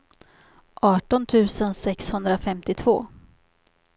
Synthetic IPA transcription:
ʔɑːʈɔnt̪ʰʉ̟ːsənsɛkshɵnd̪ɾafɛmt̪ɪt̪ʰv̥oː

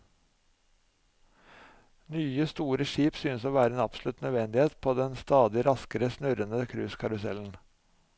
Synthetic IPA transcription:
nyːəst̪uːɾəʃiːpsyːnəsoːʋæːɾəeːnɑpsl̩ʉt̪nœʋɛnd̪ɪheːt̪pʰoːd̪ɛnst̪ɑːd̪ɪɾɑskəɾəsnʉɾənəkʰɾʉːskʰɑɾʊsɛln̩

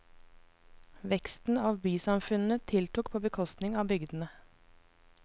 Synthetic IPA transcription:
ʋɛkst̪n̩ɑːʋbyːsɑmfʉnn̩ət̪ʰɪlt̪ʊkpʰoːbəkʰɔst̪nɪŋɑːbʏɡd̪n̩ə

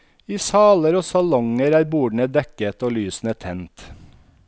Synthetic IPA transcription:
iːsɑːləɾoːsɑlɔŋəɾæːɾbuːɖɳ̩əd̪ɛkət̪oːlyːsn̩ət̪ʰɛnt̪

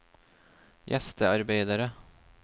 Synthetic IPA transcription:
jʔɛ̰st̪əaɾbejd̪aɾə

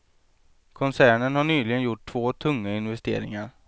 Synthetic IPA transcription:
kʰɔnsæːɳənhaɳyːlɪɡənjʊʈʰːv̥oːt̪ʰɵŋːaɪnvɛst̪ḛːɾɪ̰ŋaɾ

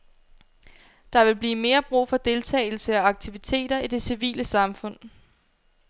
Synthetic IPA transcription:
d̥ɑ̈ʋe̝lb̥liːme̝ːɐb̥ʁṵːfɒ̽d̥e̝lt͡sʰɛ̰ːɪl̩səɒɑ̈ɡ̥̚t͡sʰiʋit͡sʰe̝̰ːɾ̥ɐid̥e̝siʋḭːləsɑ̈mfɔ̽n̰

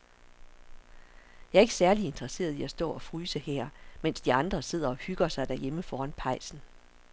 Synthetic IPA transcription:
jɑ̈æɐe̝ɡ̥sæɐlie̝nd̥ʁɐse̝̰ːɐð̞ˠiæsd̥ɔ̰̽ːɒ̽fʁyːsəhɛɐ̰men̰sd̥iɑ̈nd̥ʁɐse̝ð̰ˠɐɒ̽hyɡ̥ɐsɑ̈ɪd̥æɐjeməfɒːɑnpʰɑ̈ɪ̰sn̩

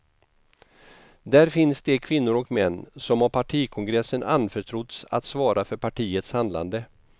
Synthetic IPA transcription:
d̪æɾfɪnsd̪ɛkʰvɪnːʊɾɔkmɛnːsɔmhaɾpʰaʈʰiːkʰɔŋɡɾɛsːəna̰nfœʈʰɾʊt̪sa̰t̪svɑːɾafœɾpʰaʈʰiːət̪shand̪la̰nd̪ə

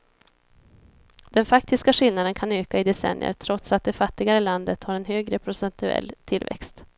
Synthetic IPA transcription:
d̪̥ɛnfak̚t̪ɪskaɧɪlnad̪ənkʰanøːkaɪd̪ɛsɛ̰njə̰ɾʈ̪ʰɾɔt̪sat̪̚d̪ɛfat̪ːɪɡaɾəland̪ət̪haɾɛnɦøːɡɾəpʰɾʊsɛnt̪ɵɛ̰lːt̪ʰɪlvɛ̰kst̪

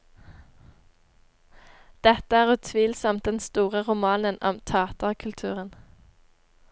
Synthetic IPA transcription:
d̪̥ɛt̪əæːʁʉːt̪ʰʋiːlsɔmt̪̚d̪ɛnst̪uːʁəʁʊmɑːnənɔ̰mt̪ʰɑːt̪əʁkʰʉlt̪ʰʉːʁən

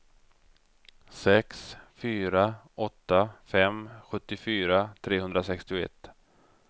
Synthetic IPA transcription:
sɛksfyːɾaʔɔt̪ːafɛmɧɵt̪ːɪfyːɾat̪ʰɾeːɦɵnd̪ɾasɛkst̪ɪʊɛ̰t̪ː

